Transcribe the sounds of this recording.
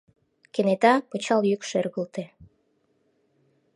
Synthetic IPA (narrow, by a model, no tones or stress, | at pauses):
kenet̪ɑpɤt͡ɕɑljykʃørɣə̆lt̪e